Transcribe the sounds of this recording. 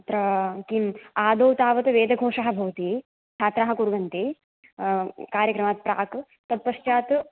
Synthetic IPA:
t̪ɾɐkimaːd̪oːwt̪aːʋɐt̪ɨʋeːd̪ʱɐɡʱoːʂɐɦɐ̆bʱɐʋɐt̪iː | t͡ʃʰaːt̪ɾaːɦɐ̆kuɾɡɐnt̪iː | kaːɾjɐkɾɐmaːt̪̚pɾa̰ːk | t̪ɐt̪̚pɐʃt͡ʃjaːt̪

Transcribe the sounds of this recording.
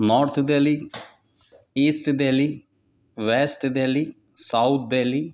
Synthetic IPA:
nɔːɾt̪ʰd̪eːliː | iːsʈd̪eːliː | ʋɛːsʈd̪eːliː | saut̪̚ʰd̪eːliː

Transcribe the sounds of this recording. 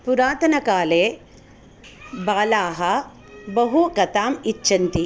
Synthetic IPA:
puɾaːt̪ɐnɐkaːleː | baːlaːɦɐ | bɐɦukɐt̪aːmit͡ʃːʃɐnt̪i

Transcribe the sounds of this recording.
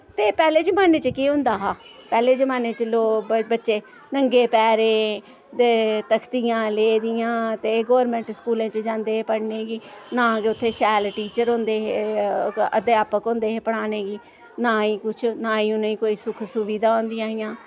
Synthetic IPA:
t̪eːpɛːleːd͡ʒəmaːneːt͡ʃəkiɦʊ̃nd̪aːɦaːpɛːleːd͡ʒəmaːneːt͡ʃəloːbətːʃeː | nəŋɡeːpɛːɾẽː | d̪eːt̪əkʰt̪ijãːleːd̪ɪjãːt̪eːɡoːɾmɛ̃ːɳʈskuːlẽːt͡ʃd͡ʒãːnd̪eːɦeːpəɽneːɡiːnãːɡeʊt̪ʰːeːʃɛːlʈiːt͡ʃəɾõːnd̪eːɦe | ə̰d̪eaːpəkɦõːnd̪eːɦeːpəɽ̃aːneːɡiː | naːiːkʊt͡ʃʰnaːiːũnəĩːkoːiːsʊkʰsʊʋiːd̪aːõːnd̪ɪjãːɦɪjãː

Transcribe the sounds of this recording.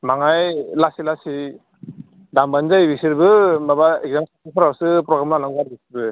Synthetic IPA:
maŋajlasilasi | dambanzajbisiɾbɯmabaek̚zamsaaŋpʰɔɾawsɯpɾɔɡɾamlanaŋbaɾbisiɾbɯ

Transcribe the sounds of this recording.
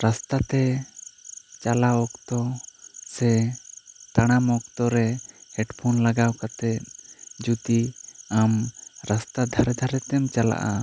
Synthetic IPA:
ɾast̪at̪ɛ | t͡ʃalaɔkt̪ɔsɛ | t̪aɽ̃amɔk̚t̪ɔɾɛhɛɖpʰɔnlaɡawkat̪ɛt̪̚d͡ʒut̪iamɾast̪ad̪ʱaɾɛd̪ʱaɾɛt̪ɛmt͡ʃala̰ʔa

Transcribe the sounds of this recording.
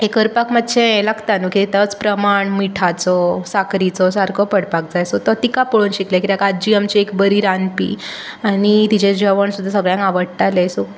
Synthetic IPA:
ekəɾpakmat̪ːɕʰẽləɡt̪anukit̪it̪ət͡spɾəmaɳmiʈʰat͡sɔsakɾit͡sɔsaɾkʰɔpəɽpak̚d͡zajsɔt̪ɔt̪ikapɔɭuːnɕiklakiɾjakad͡ʑiamt͡ɕiekbəɾiːɾanpḭ | aɽ̃it̪it͡ɕed͡ʑəʋəɳsud̪ʱːasəɡɭjãŋkaʋəɽʈ̪alesu

